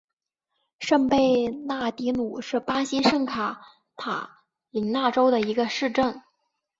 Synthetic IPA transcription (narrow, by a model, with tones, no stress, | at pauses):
ʂə˥˧ŋpe˥˧ɪna˥˩t̪i˧˥nu˨˩˦ʂɻ̩˥˩pa˥ɕi˥ʂɤ˥˩ŋkʰa˨˩˦ | t̪ʰa˨˩˦ | li˧˥ŋna˥˩ʈ͡ʂo˥ʊd̪ə˨i˧˥ɡə˧ʂɻ̩˥˧ʈ͡ʂɤ˥˩ŋ